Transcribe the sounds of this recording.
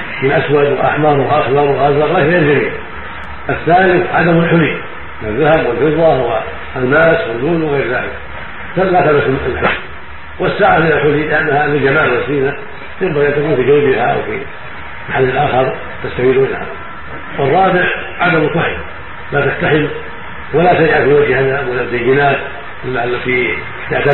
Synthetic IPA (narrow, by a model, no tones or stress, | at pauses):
mɪnʔaswad̪wɪlʔa̰ħmɑɾˤwɪlʔɑxlɑɾˤwɪlɣɑzɑɣlaːɣeːɪld͡ʒamiːd̪ | ʔaθːaːlɪθʕa̰d̪amɪlħʊli | mɪnaðːahabwɪlfɨðˤːɑwɪ | lmaːswɪlːuːnwɪɣeːɾða̰ːlɪ̰k | t̪alaːt̪alamlħʊli | wɪsːaːʕalɪlalħʊlilɪʔanːahalɪd͡ʒamaːʕwasiːna | t̪j̪ɪmbaɣiʔant̪akuːnfid͡ʒanbɪhaw̰fḭ | maħalːɪlʔaːxɑɾˤ | t̪ast̪awiːluɪla̰ha̰a̰ | wɨrˤːɑːbɪʕ | ʕad̪amɪlkaħɪd | lat̪aħt̪aħɪm | walat̪ajʔafiwad͡ʒhhaðawalazajɪnaːt̪ | ʔɪlːaalːat̪i | t̪aʕt̪a